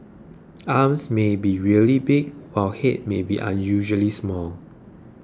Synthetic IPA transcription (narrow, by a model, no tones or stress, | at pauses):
ʔamsmebiɹiəlibɪɡwaɪlhet̚mebḭʔã̰njuʒəlismɔl